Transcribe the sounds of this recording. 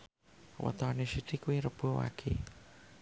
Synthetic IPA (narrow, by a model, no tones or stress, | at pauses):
wə̰t̪ɔnesit̪ikuiɾəb̥uwa̰kʰḛ